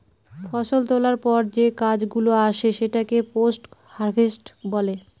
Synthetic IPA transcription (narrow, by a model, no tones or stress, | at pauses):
fʰɔʃolt̪olaɾpɔɾd͡ʑekad͡ʑɡuloaʃeʃeʈakeposʈ | haɾbʱesʈbɔle